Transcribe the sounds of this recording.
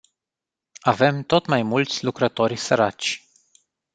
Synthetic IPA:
ave̞mt̪o̞t̪majmult̪sʲlukɾət̪o̞rʲsəɾat͡ʃʲ

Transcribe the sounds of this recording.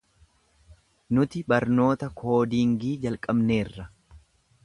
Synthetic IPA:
nʊt̪ɪbɐɾno̞ːt̪ɐkʰo̞ːd̪iːŋɡiːd͡ʒɐlkʼɐbne̞ːrːɐ

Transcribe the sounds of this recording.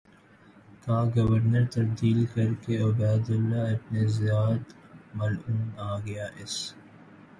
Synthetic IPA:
kaːɡɐʋəɾnəɾt̪ɐb̚d̪iːlkɐɾkeʊbaːd̪ʊlːaɐpnezɪjaːt̪mɐluːnaːɡɐjaʔɪs

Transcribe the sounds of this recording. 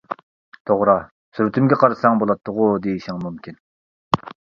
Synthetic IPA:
t̪ʰoʁɾɑ | syɾt̪ʰymɡʲɛqʰɑɾɨsɑŋbolˠɑt̪ʰːəʁʊd̪ejiʃiŋmumkʲʰin

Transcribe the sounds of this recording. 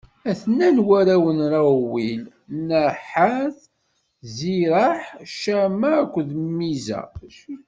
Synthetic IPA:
æθnːænwæɾæwənɾˤawil | nəħaθ | ziɾaħʃæmækʷːðmːizæ̰

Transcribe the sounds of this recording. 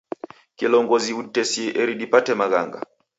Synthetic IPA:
kilɔŋɡɔziutɛsiʔɛɾiɗipatɛmaɣa̰ŋɡa̰

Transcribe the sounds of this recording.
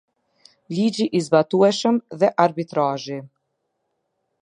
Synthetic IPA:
lid͡ʒiʔizbat̪uɛʃəmðɛʔaɾbit̪ɾaʒi

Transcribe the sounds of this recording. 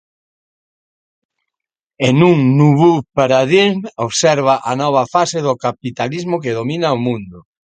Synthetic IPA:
enuŋnuβupaɾaðiŋoβsɛɾβaʔanɔβ̞ɐfaseðʊkapit̪alizmʊkeðomĩnaomũnd̪ʊ

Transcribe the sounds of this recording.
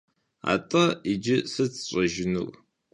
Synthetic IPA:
a̰ːtʼɐid͡ʒɪsɨt͡sʰɕʼɐʒɪnṵr

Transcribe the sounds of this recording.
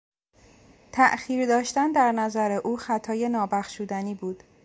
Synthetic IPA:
t̪ʰæʔxiːɾd̪ɒːʃt̪ænd̪æɾnæzæɾe̞ʔuːxæt̪ʰɒːje̞nɒːbæxʃuːd̪æniːbuːd̪̥

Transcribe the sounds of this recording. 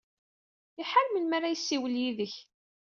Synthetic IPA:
ɪħaɾməlmaɾajəsːiwəljiðəç

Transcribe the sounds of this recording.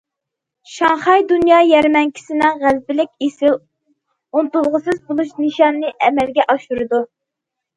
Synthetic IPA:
ʃɑŋχɑjd̪unjɑːjɛɾmɛŋkʲʰi̥sɪnɪŋʁæzbɪlɪkʲesɪl | unt̪ulˠʁəsɨzbolˠuʃnɨʃɑnːɨʔɛmɛlɡʲɛʔɑʃuɾɨd̪u

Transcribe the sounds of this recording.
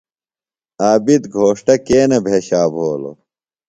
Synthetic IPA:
aːbid̪ɡʱoːʂʈɐkeːnɐbʱeːɕaːbʱoːlo̰

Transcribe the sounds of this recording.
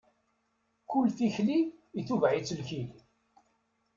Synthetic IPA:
kʊlθiçliːθuvʕit͡sːəlçil

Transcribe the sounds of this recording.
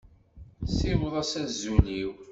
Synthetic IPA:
simðˤɑsæzːuliw

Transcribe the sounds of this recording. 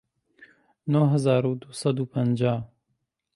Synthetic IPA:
noɦəzaːɾuːd̪usɐd̪uːpʰənd͡ʒaː

